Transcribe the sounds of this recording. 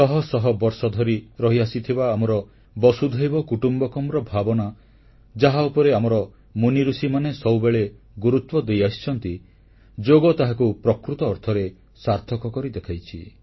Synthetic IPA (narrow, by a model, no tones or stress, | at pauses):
t̪ɔɦɔsɔɦɔbɔɾsɔd̪ʱɔɾiɾɔɦiasit̪ʰibaːmɔɾɔ | bɔsud̪ʱɔjbɔkuʈumbɔkɔmɾɔbʱabɔna | d͡ʒaɦaupɔɾeamɔɾɔ | muniɾusimanesɔwbeɭe | ɡuɾut̪wɔd̪ejasi̥t͡ʃʰɔnt̪i | d͡ʒoɡɔt̪aɦakupɾɔkɾut̪ɔːɾt̪ʰɔɾe | saɾt̪ʰɔkɔkɔɾid̪ekʰajt͡ʃʰi